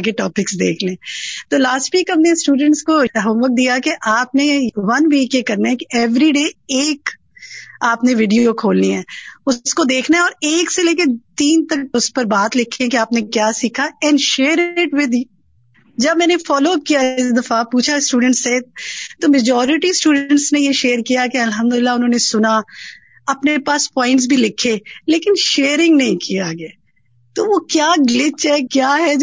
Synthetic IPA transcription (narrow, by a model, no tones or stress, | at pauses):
keʈɔːpɪksd̪ḛːkʰlẽːt̪oːlaːsʈʋiːkɦɐmnesʈuːɖə̃ɳʈskoɦə̃mʋɐk̚d̪ijakeʔaːp̚neʋɐnʋiːkjekɐɾnaɦɛkiʔɛʋɾiɖeːeːk | aːpneʋɪɖijokʰoːlniɦɛːʊskod̪eːkʰnaɦɛɔːɾeːkseleːket̪iːnt̪ɐkʊspɐɾbaːt̪lɪkʰːẽkeaːpnekjaːsiːkʰaɛ̃ːɳɖʃeːɾɪʈwɪd̪i | d͡ʒɐbmɛ̃ːnefɔːloːkijaɪsd̪ɐfapuːt͡ʃʰasʈuːɖə̃ɳʈset̪oːmed͡ʒɔːɾɪʈisʈuːɖə̃ɳʈsnejeʃeːɾkijakeɐlɦə̃md̪ʊlɪlːaʊnɦõːnesʊna | ɐpnepaːspɔːɪ̃ɳʈs̬bʱilɪkʰːeleːkɪnʃeːɾɪ̃ŋɡnɐɦĩkijaɡa | t̪oːʋokjaːɡlɪt͡ʃɦɛkjaːɦɛd͡ʒ